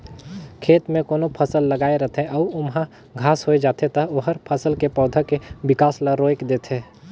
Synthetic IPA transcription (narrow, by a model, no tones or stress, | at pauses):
kʰeːt̪mẽkoːnopʰəsəlːɐɡaːeɾɐt̪ʰẽʔɔʊmɦã | ɡʱaːsɦoːed͡ʒaːt̪et̪ɐɦoɦəɾpʰɐsəlkepɔːd̪ʱəkeʋɪkaːsləɾoːekd̪eːt̪ʰeː